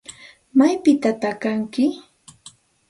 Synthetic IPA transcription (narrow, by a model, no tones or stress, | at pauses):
majpɪt̪at̪akaŋkɪ